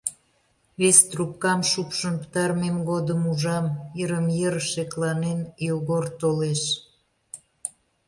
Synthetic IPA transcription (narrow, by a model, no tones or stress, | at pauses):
βest̪rup̚kɑmʃupʃə̆npə̥t̪ɑɾmemɡod̪əmuʒɑmjəɾəmjərʃeklɑnenjoɣort̪oleʃ